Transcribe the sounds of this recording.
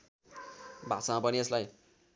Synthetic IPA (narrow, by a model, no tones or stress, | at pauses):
bʱasamapʌnieslaj